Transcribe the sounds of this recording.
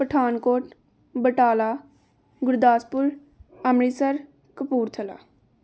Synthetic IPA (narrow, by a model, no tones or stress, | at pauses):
pəʈʰaːnkoːʈ | bəʈaːlaː | ɡʊɾd̪aːspʊɾ | əmɾiːsəɾ | kəpuːɾt̪ʰəla̰ː